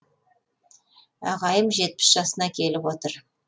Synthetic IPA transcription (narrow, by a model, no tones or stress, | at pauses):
ɑ̰ʁɑjəmʒe̞t̪̚pɪ̥sʒ̥ɑsənɑkʲʰe̞lɪpwo̞t̪əɾ